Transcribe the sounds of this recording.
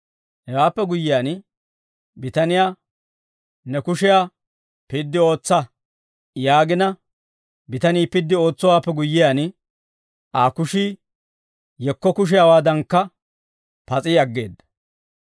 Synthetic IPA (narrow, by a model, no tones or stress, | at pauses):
hɛwaːpːɛɡʊjːɪjaːn | bɪt̪ɐnɪjaː | nɛkʊʃɪjaː | pɪd̪ːɪo̞ːt͡sːɐ | jaːɡɪnɐ | bɪt̪ɐniːpɪd̪ːɪo̞ːt͡sːɔwaːpːɛɡʊjːɪjaːn | ʔaːkʊʃiː | jɛkːɔkʊʃ̬ɪjaːwaːd̪ɐŋkːɐ | pɐt͡sʼiɐɡːe̞ːd̪ːɐ̥